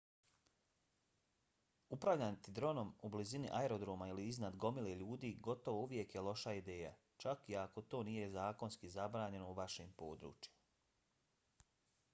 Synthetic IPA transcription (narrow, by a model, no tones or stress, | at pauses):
upɾaʋʎant̪id̪ɾo̞no̞mublizinḭʔaeɾo̞d̪ɾoːmailiiznad̪ɡo̞mileʎuːd̪iːɡo̞t̪o̞ʋo̞uʋje̞kje̞lo̞ʃaid̪e̞ːja̰ | t͡ʃakiako̞t̪o̞ːnije̞zaːko̞nskizabɾaːɲe̞no̞uʋaʃeːmpo̞ːd̪ɾṵːt͡ʃima